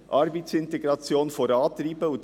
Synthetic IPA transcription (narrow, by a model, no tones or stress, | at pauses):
ʔɑɾbaɪtsɪnteɡɾɑt͡sjoːnfoɾɑːt̪ɾiːbəʊnt